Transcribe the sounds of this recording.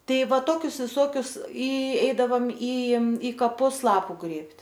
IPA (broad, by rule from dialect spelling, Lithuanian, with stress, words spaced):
ˈtɐɪ ˈʋɐ ˈtoːkʲʊs ʋʲɪˈsoːkʲʊs ɪ ˈɛɪdɐʋɐm iː iː kɐˈpʊs ˈlˠɑːpʊ ˈɡrʲeːpʲtʲ